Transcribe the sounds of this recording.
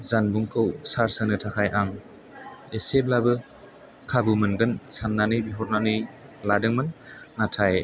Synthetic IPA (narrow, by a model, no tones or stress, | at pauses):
zanbuŋkʰɯwsaɾsɯnɯtʰakʰajʔaŋ | eseb̚labɯ | kʰabɯmɯnɡɯnsanːanɯjbiɦɔɾnanɯj | ladɯŋmɯnːatʰaj